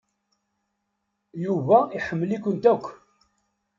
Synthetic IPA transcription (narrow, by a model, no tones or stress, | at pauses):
juvæiħəmːlikʷənt̪ækʷː